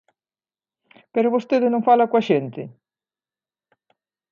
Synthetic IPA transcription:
peɾɔβost̪eðɪnõŋfalakwɐʃent̪ɪ

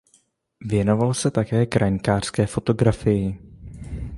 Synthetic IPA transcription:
vjɛno̞valsɛt̪akɛːkɾʔaɲkaːr̥skɛːfo̞t̪o̞ɡɾafɪjɪ

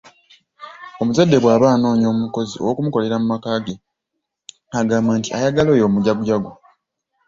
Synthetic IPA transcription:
o̞muzadːe̞βwaːβaːno̞ːɲo̞ːmuko̞ziowokumuko̞le̞ɾamumakaːɡe | aɡaːmbaːntiajaɡalo̞ːjo̞ːmuɟaɡuɟaɡo

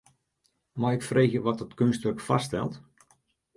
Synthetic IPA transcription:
majɪkfrejxjəʋɔtətkønstʋərkfa̰stɛ̰lˠt

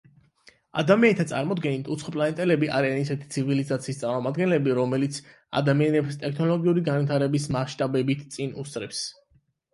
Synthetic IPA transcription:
a̰d̪amianit̪ʰat̪sʼa̰ɾmɔd̪ɡɛnit̪ʰut̪sʰχɔpʼlanɛt̪ʼɛlɛbiʔa̰ɾianisɛt̪ʰi̥t̪sʰivilizat̪sʰiːst̪sʼaɾmɔmad̪ɡɛnlɛbiɾɔmɛlit̪sʰ | a̰d̪amianɛbst̪ʼɛkʰnɔlˠɔɡiuɾiɡanvit̪ʰaɾɛbismaʃt̪ʼabɛbit̪ʰt̪sʼinust̪ʼɾɛps

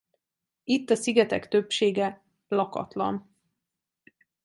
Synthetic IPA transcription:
it̪ːɒsiɡɛt̪ɛkt̪øpʃeːɡɛ | lɒkɒ̰t̪lɒ̰n

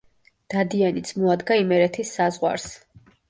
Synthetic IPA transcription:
d̪̥ad̪ianit̪sʰmɔad̪ɡaimɛɾɛt̪ʰisːazʁwa̰ɾs

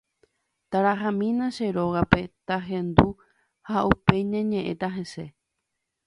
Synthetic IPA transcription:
t̪aɾaɦãmĩnãʃe̞ɾo̞ɣape̞t̪aɦẽ̞nd̪u | haʔupe̞ɲãɲẽ̞ʔẽ̞̰t̪aɦe̞se̞

